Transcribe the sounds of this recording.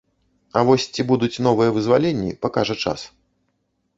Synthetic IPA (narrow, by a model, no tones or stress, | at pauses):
ɐvɔsʲt͡sʲibud̪ut͡sʲn̪ɔvɨjɐvɨzvalʲenʲːḭpakaʐɐt͡ʂa̰s